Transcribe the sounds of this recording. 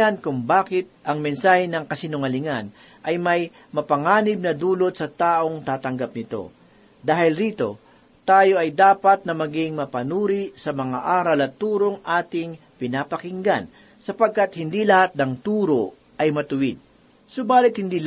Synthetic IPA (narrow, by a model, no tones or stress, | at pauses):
ankʊŋbaːkɪt̪̚ʔɐŋmɛnsaːhɛnɐŋkɐsɪnʊŋɐlɪŋan | ʔɐjmɐj | mɐpɐŋaːnɪb̚nɐd̪uːlo̞t̪sɐt̪aːʔo̞ŋt̪aːt̪ɐŋɡap̚nɪt̪o̞̰ | d̪aːhɪlɾiːt̪o̞̰ | t̪aːjo̞ʔɐjd̪aːpɐt̪̚nɐmɐɡɪŋmɐpɐnuːɾisɐmɐŋa̰ʔaːɾɐlɐt̪uːɾoŋʔaːt̪ɪŋ | pɪnaːpɐkɪŋɡan | sɐpɐɡ̚kat̪̚hɪnd̪ilɐhat̪̚nɐŋt̪uːɾo̞ | ʔɐjmɐt̪ʊwɪd̪̚ | sobaːlɪt̪̚hɪnd̪iːl